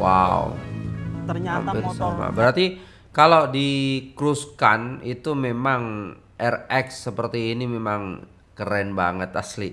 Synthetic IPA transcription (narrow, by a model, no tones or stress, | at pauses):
wa̰wṵ | əɲaa̰mbɪrsama̰bəɾart̪i | kalowdikɾuska̰nit̪umemaŋ | ʔɛrɛksːəpərt̪iːnimemaŋ | kəɾɛnbaŋət̪asli